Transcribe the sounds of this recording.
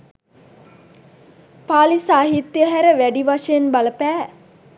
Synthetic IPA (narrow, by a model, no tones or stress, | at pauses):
paːlisaːɦit̪ːjəɦæɾəʋæɖiʋaʂejenbaləpæː